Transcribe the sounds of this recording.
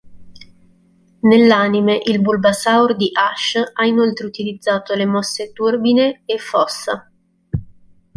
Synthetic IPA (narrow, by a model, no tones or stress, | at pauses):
nelːanimeʔilbulbasaurd̪iʔaʃainolt̪ɾeut̪ilid̪zːaːt̪olemɔsːet̪urbineːfːɔsːa̰